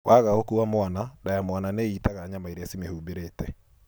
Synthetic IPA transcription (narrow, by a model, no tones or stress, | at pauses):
waɣaokuwamoanadajamoananeitaɣaɲamaeɾeasimehubeɾetɛ